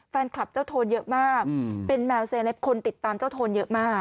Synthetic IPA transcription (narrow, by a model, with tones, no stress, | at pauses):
fɛː˧nkʰla˨˩p̚t͡ɕa˥˩wt̪ʰoː˧njɤ˦˥ʔmaː˥˩k̚pe˧nmɛː˧wseː˧nlɛ˦˥p̚kʰo˧nt̪i˨˩t̪ːaː˧mt͡ɕaː˥˩wt̪ʰoː˧njɤ˦˥ʔmaː˥˩k̚